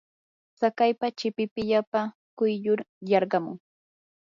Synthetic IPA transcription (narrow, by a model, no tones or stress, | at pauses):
t͡sakajpat͡ʃɪpɪpɪʎapa | kʊjʎʊɾjɑɾɢɑmʊ̰ŋ